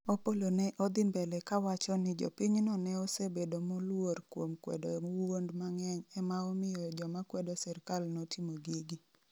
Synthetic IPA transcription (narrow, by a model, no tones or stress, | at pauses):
opolonɛʔod̪ɪmbɛlɛkawat͡ʃɔnɪd͡ʒɔ̰piɲnɔnɛɔsebedomolworkwomkwɛ̰dowondmaŋɛɲɛmaɔmɪjɔd͡ʒɔmakwɛdosɛɾkalnotʰimoɡiɡi